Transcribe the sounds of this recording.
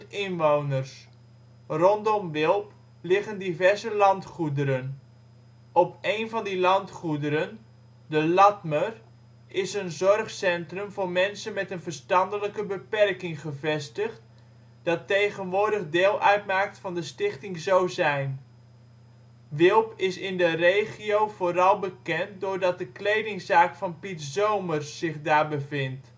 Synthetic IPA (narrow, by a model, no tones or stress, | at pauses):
ɪnʋownərs | rɔndɔmʋɪlˠp | lɪχəndivɛɹzəlɑntχudəɾən | ɔpejnvɑndilɑntχudəɾən | dəlɑtmər | ɪsənzɔrχsɛntrəmvoːɹmɛnsənmɛtənvərstɑndələkəbəpɛrkɪŋχəvɛstəχt | d̥ɑtːejχənʋʊːɹdəχdɪːlˠʔœɥtmaːk̚tfɑndəstɪχtɪŋzowzɛjn | ʋɪlˠpɪsɪndərejχiowvoːɾɑlˠbəkɛnt̚dʊɹdɑt̚dəklejdɪŋzaːkfɑnpitzowmərsːɪχdaːɹbəvɪnt